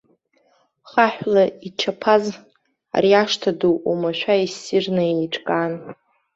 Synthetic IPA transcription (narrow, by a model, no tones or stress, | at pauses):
χaħʷᶣlaiʈ͡ʂʰapʰaz | a̰riaʂtʰaduʔumaʃᶣʷaisɪrnaiiʈ͡ʂʼkʼan